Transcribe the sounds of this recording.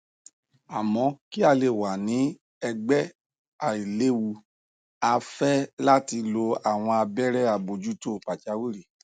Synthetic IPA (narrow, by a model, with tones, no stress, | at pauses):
a˨mɔ̃˨˧˦ki˦a˧le˧˨wa˨nĩ˨˦ | ɛ˧ɡ͡bɛ˦ | a˨i˨le˦wu˦ | a˧fɛ˦la˦ti˧lo˧a˨w̃ɔ̃˧a˧bɛ˦ɾɛ˦a˨bo˨d͡ʒu˦to˦˨pa˨t͡ʃa˧˦wu˦ɾi˦˨